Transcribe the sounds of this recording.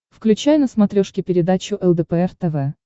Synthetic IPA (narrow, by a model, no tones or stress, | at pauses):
fklʲʉt͡ɕæjnəsmɐt̪ɾʲoʂkʲɪpʲɪɾʲɪd̪at͡ɕʊʔɛlˠd̪əpəɛrt̪ɛvɛ